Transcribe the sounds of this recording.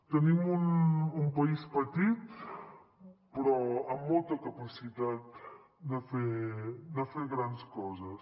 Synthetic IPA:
t̪enimunumpaispat̪it̪ | pɾɔamːolt̪ɐkapasit̪at̪̚ | d̪afeɾd̪afeɾɣɾand̪skɔzɐs

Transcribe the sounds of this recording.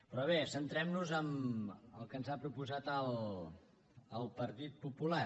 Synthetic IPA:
pɾɔβ̞esənt̪ɾɛmnuzəməlˠkənzapɾupuzat̪əlˠ | lˠpəɾt̪it̪̚pupula

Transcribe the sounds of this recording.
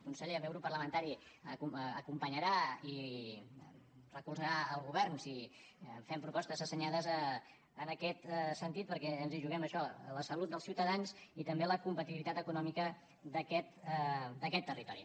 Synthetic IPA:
kunsɛʎəβɛwɾupəɾləmənt̪aɾiuəkumpəɲəɾai | rəkulzəɾaəlˠɣuβɛrnsi | fɛmpɾupɔst̪əzəsəɲaðəzəː | nəkɛt̪sənt̪it̪̚pəɾkɛənziʒuɣɛməʃɔləsəlut̪̚d̪əlˠsiuwt̪əðanzit̪əmbeləkumpət̪iilit̪at̪əkunɔmikə | ðəkɛt̪d̪əkɛt̪ːərit̪ɔɾḭ

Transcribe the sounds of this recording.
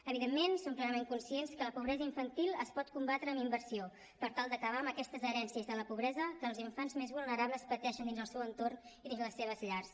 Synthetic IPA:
əβiðemːensoŋklɛɾəmeŋkunsienskələpuβɾɛzəiɱfənt̪ilˠəspɔt̪̚kumbat̪ɾəːmimbəɾsio | pəɾt̪alˠd̪əkəβ̞aəməkɛst̪əzəɾɛnsiəzðələpuβɾɛzəkəːlˠziɱfanzmezβulˠnəɾaβləspət̪ɛʃənd̪inzəlˠsɛwənt̪orniðinzləsːeβ̞əzʎars

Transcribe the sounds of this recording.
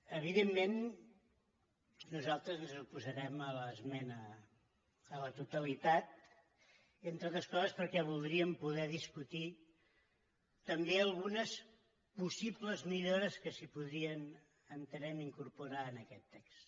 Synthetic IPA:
əβ̞iðemːen | uzalˠt̪ɾəznzupuzəɾɛmələzmɛnə | lət̪ut̪əlit̪at̪̚ | ent̪ɾot̪ɾəskɔzəspəɾkɛβ̞ulˠd̪ɾiəmpuðɛðiskut̪i | t̪əmbeəlˠɣunəs | pusipləzmiʎoɾəskəsipuðɾiən | ənt̪əɾnɛniŋkuɾpuɾaənəkɛt̪ːɛks

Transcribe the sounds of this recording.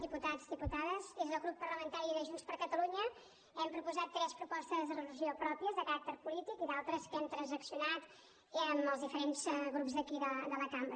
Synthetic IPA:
ðiput̪azðiput̪aðəzezðəɣɾupːərləmənt̪aɾiðəʒunspəɾkət̪əluɲə | ɛmpɾupuzat̪ːɾɛspɾupɔst̪əzðərələziopɾɔpiəzðəkəɾak̚t̪əɾpulit̪ikiðalˠt̪ɾəskɛmt̪ɾənzəksiunat̪ | əməlˠzðifəɾenzɣɾupzðəkiðəd̪ələkambɾə

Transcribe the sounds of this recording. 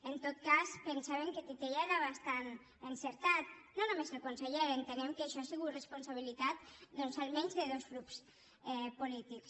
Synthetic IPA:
ent̪ot̪̚kaspensaβeŋket̪it̪eʎeɾaβast̪an | enseɾt̪at̪nonomezlokonseʎeɾent̪enɛmkeʃɔasiɣut̪responsaβ̞ilit̪at̪̚d̪ɔnsalmɛɲzðeðosklups | ɛpolit̪iks

